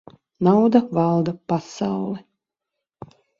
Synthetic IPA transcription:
nawd̪avɑlˠd̪apasawlˠɛ

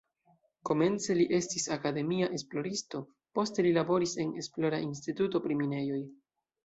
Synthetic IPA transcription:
ko̞me̞nt͡se̞liʔe̞stisakade̞miaʔe̞splo̞ɾisto̞ | po̞ste̞lilabo̞ɾise̞ne̞splo̞ɾains̬tituto̞pɾimine̞jo̞j

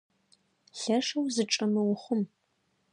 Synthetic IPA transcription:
ɬɐʂɐwzɨʈ͡ʂʼɐmɨwʊχʷʊm

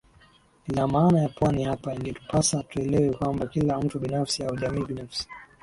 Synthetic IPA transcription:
nilamaːnajapwanihapaiŋɡɛtu̥pasatuɛlɛwɛkwambakilam̩tuɓinafsiauʄamiːɓinafsi̥

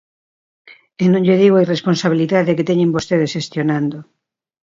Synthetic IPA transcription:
enõŋʎeðiɣoairesponsaβiliðaðeket̪ɛɲẽmbost̪eðesʃest̪jonãnd̪o

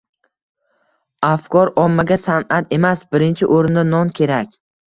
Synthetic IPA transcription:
afkɒɾɒmːaɡʲasanat̪e̞masbɪɾɪnt͡ʃʰɪʔoɾɪnd̪anɒnkʲʰe̞ɾakʲ

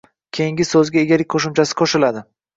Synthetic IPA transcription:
kʲʰejiŋɡʲɪsɵzɡʲaeɡʲalɪk̚ʲqʰoʃɪmt͡ʃʰasɪ̥qʰoʃɪlad̪ɪ

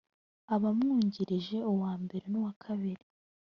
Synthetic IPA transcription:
aβamŋuːɲɟiɾiʒe̞uwaːmbe̞ɾe̞nuwakʰaβiɾi

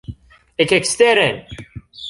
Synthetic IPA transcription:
ækːækst̪æɾæn

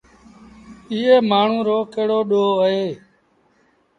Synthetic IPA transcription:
iːeːmaːɳ̤ũːɾoːkeːɽoːɗoːəɦeː

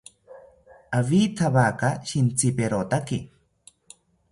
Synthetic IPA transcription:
aβit̪ʰaβakaʃint͡sipeɾot̪aki

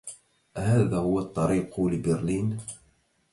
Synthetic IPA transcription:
ʔhaːðaːhʊwat̪ˤːɑɾiːqʊlɪbɪɾliːn

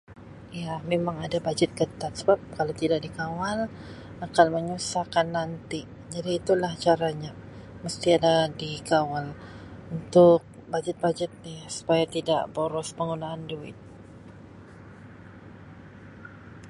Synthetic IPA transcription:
jamemaŋadabad͡ʒət̪̚kət̪at̪̚səbap̚kalawt̪idaʔdikawal | akanməɲusakanːant̪i | d͡ʒadiːt̪ulaht͡ʃaɾaɲa | məst̪iadadikawalunt̪ʊk̚ | bad͡ʒət̪̚bad͡ʒət̪̚nɪsu̥pajat̪ida̰ʔboɾɔspəŋɡunaːnduɪ̰t̪̚

